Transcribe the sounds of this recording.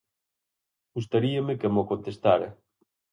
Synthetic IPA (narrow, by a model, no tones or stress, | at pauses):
ɡust̪aɾiɐmɪkemokont̪est̪aɾɐ